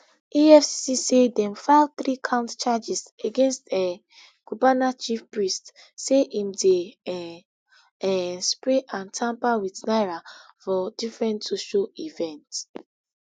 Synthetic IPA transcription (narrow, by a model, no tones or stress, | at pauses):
iɛfssisedɛ̃mfaɪvθɾikʰãʊ̃ntt͡ʃad͡ʒiseɡẽnstɛ | ɡ̥ubanat͡ʃifpɹist | seʔĩmde | ɛspɹeʔãntʰãmpawiθnaɪɹafɔdifɹɛ̃ntsoʃoivɛ̃nts